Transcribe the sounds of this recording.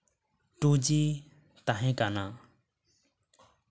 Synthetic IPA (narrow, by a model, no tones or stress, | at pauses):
ʈud͡ʒi | t̪aɦɛ̃kana